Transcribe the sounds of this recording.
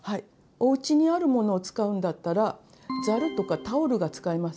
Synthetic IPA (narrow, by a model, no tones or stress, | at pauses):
hai | o̞ɯ̟t͡ɕiɲ̟iaɾɯ̟mo̞no̞ːt͡sɨ̥kaɯ̟̃nd̪at̪ːaɾa | d͡zaɾɯ̟t̪o̞kat̪aoɾɯ̟ɡat͡sɨ̥kaimasɨ̥